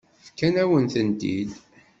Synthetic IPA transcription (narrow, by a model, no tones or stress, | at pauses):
fkænæwənθənd̪id̪